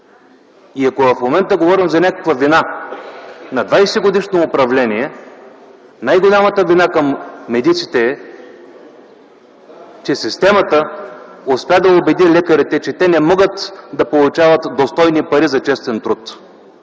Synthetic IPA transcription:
iɐkovɐfmomɛnt̪əɡovɔɾimzɐnʲakəkvəvina | nɐd̪vajsɛɡod̪iʃnoːpɾɐvlɛniɛ | najɡolʲamɐt̪əvinakɐmːɛd̪it̪sit̪ɛɛ | t͡ʃɛsist̪ɛmɐt̪əospʲad̪ɐobɛd̪ilɛkɐɾit̪ɛt͡ʃɛt̪ɛnɛmɔɡət̪d̪ɐpolˠʊt͡ʃavɐt̪d̪ost̪ɔjnipɐɾizɐt͡ʃɛst̪ɛnt̪ɾut̪

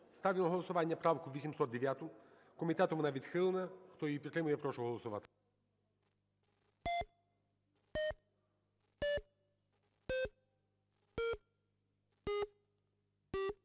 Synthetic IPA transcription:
st̪aʋʲinɔɦɔlˠɔsʊʋɑnʲːɐpɾawkʊʋʲisʲimsɔt̪d̪eʋʲjat̪ʊ | kɔmʲit̪ɛt̪ɔʋɔnaʋʲid̪xɪlˠenɐxt̪ɔjipʲit̪ɾɪmʊjɛpɾɔʃɔɦɔlˠɔsʊʋɑt̪ɪ̥

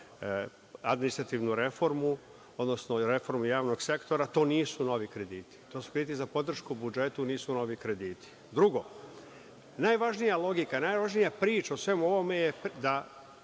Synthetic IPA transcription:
ad̪minist̪ɾat̪iːʋnuɾe̞fo̞ɾmu | o̞d̪nosnoɾe̞fo̞ɾmujaːʋno̞ɡse̞kt̪o̞ɾat̪o̞ːniːsuno̞ʋikɾe̞d̪iːt̪i̥t̪o̞ːsu̥kɾed̪iːt̪izapo̞d̪r̩ʃkubud͡ʒe̞t̪uniːsuno̞ʋikɾe̞d̪iːt̪ʰi̥ | d̪ɾuɡo | najʋaʒnijalˠo̞ɡikanajʋaʒnijapɾiːt͡ʃaosʋe̞muo̞ʋo̞me̞jed̪a

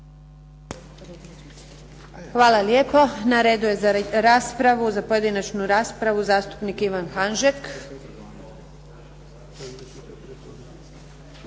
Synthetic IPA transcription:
xʋaːlaljeːpo̞naɾeːd̪uje̞zaɾaːspɾaʋuzapoje̞d̪inat͡ʃnuɾaːspɾaʋuzaːst̪u̥pnikiʋanxanʒek

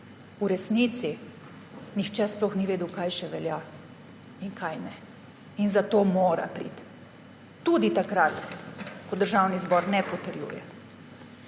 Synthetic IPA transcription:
uɾɛsnit̪si | nixt͡ʃɛsplɔxniʋeːd̪ukajʃɛʋɛlja | iŋkʰajnɛ | inzat̪oːmoːɾa̰pɾḭt̪ː | ud̪it̪akɾat̪kɔd̪əɾʒawnizbɔːɾnɛpɔt̪əɾjṵjɛ̰

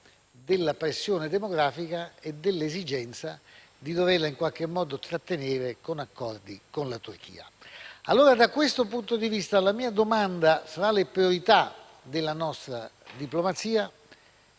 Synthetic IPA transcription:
d̪elːapɾesːjoːned̪emoɡɾaːfikaed̪elːezid͡ʒɛnt̪sa | d̪id̪overlːaiŋkwalk̟emːɔːd̪ot̪ɾat̪ːeneːɾekonakːɔrd̪ikonlat̪urk̟ḭːa̰alːoːɾad̪akːwest̪opunt̪od̪ivist̪alamiːad̪omand̪asaɾalepɾioɾit̪a | d̪elːanɔst̪ɾa̰d̪iplomat̪siːa

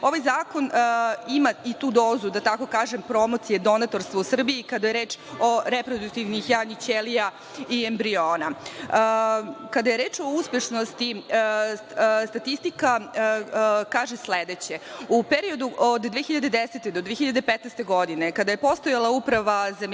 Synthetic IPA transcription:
o̞ʋajzaːko̞nimait̪uːd̪o̞ːzud̪at̪ako̞kaːʒempɾo̞mot̪sije̞d̪o̞nat̪o̞ɾst̪ʋousr̩biikad̪ajeɾeːt͡ʃoɾepɾod̪uk̚t̪iʋnixjanit͡ɕelija | iembɾioːna | kad̪aje̞ɾeːt͡ʃo̞uspjeʃnost̪i | st̪at̪ist̪ika | kaːʒesled̪et͡ɕeupeɾio̞d̪uʔod̪dːʋeːxiʎad̪e̞d̪eset̪ed̪od̪ʋexçiʎad̪epet̪nɛst̪e̞ɡo̞d̪ine̞kad̪aje̞po̞st̪o̞jalˠaupɾaʋazam

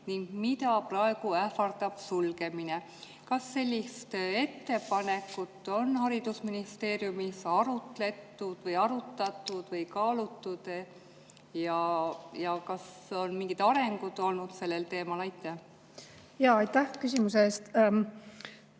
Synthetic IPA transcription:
niŋɡ̥mid̪ɑprɑeɡ̥uæfɑrd̪̥ɑb̥sulɡe̞mine | kɑsːe̞lʲːist̪e̞t̪ːe̞pɑne̞kːˑut̪ˑːo̞nhɑɾid̪̥usminist̪e̞ːɾjumisɑɾut̪ˑle̞t̪ːud̪̥vɤjɑɾut̪ːˑɑt̪ːˑud̪̥vɤjkɑːlut̪ːud̪̥ | jɑjɑkɑs | o̞nmiŋɡ̥it̪ɑɾe̞ŋɡ̥ud̪̥o̞lnud̪̥se̞lːe̞lt̪e̞ːmɑlɑjt̪ːˑæh | jɑːɑjt̪ːæhkysimuseeːst̪

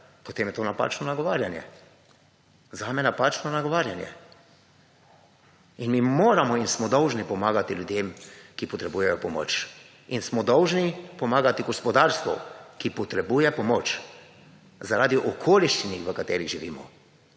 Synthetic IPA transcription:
pɔt̪eːmjɛt̪oːnapa̰ːt͡ʃnɔnaɡɔʋaːɾjanjɛ̰ | zaːmɛnapaːt͡ʃnɔnaɡɔʋaːɾjanjɛ̰ | inmiːmoːɾamɔinsmɔd̪ɔwʒnipɔmaːɡat̪iljud̪jeːmkipɔt̪ɾɛbujɛjɔpɔmo̰ːt͡ʃ | insmɔd̪ɔwʒnipɔmaːɡat̪iɡɔspɔd̪aːɾst̪ʋɔ̰kipɔt̪ɾɛbuːjɛpɔmoːt͡ʃ | zaɾaːd̪iʔɔkʰoːliʃt͡ʃiniʋəkat̪eːɾiɣʒiʋiːmɔ̰

